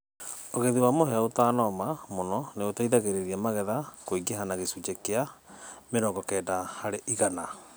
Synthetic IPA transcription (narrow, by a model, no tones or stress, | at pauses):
oɣeðiwamoɦɛaotaːnɔmamonɔneotaiðaɣeɾeɾiamaɣɛðakoiɡeɦanaɣesud͡ʒekeameɾɔɡɔkɛːdahaɾeʔiɣana